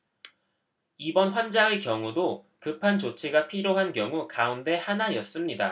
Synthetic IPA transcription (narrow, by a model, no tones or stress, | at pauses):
ibʌnɸwand͡ʑaŋekjʌŋudo | kɯpʰant͡ɕot͡ɕʰiɡapʰiɾjoɦankjʌŋukaunde̞hanajʌs͈ɯmɲida̰